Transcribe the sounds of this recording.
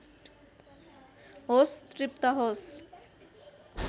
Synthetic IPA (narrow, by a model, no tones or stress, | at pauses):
ɦost̪rip̚t̪aɦos